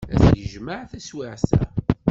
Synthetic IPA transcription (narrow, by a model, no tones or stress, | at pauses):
æ̰sjəʒməʕθæswɪʕsæ̰